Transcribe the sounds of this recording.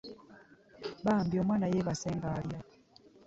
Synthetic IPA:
bambiɔmwanajɛβasɛŋɡalja

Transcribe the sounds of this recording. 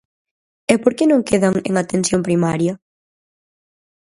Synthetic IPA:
ɛpoɾkenõŋkeðɐŋḛŋat̪ensjompɾimaɾjɐ

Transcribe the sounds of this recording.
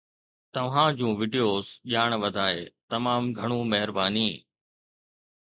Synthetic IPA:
t̪ɐʋ̤ãd͡ʑũːʋɪɖijoːzʄaːɽ̃ʋɐd̪ʱaːeːt̪ɐmaːmɡʱɐɽ̃ũmɐɦɪɾbaːniː

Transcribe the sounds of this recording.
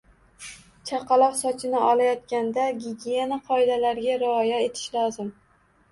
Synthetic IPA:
t͡ʃʰɑqʰɑlˠɒqsɒt͡ʃʰɪnɪʔɒlˠajɒt̪̚kʲand̪aɡʲiɡʲjenaqʰɒɪd̪alaɾɡʲaɾɪɒjae̞t̪ʰɪ̥ʃlɒzɪm

